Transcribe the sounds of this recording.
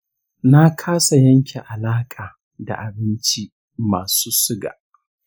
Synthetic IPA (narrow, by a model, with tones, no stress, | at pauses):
na˦kʰaː˦sa˨jɐ˦ŋkʲe˨ʔa˨laː˦kʼaː˨ | da̰˨ʔa˨bɪ˦nt͡ʃi˦ | maː˨suː˦sʊ˦ɡa̰ː˨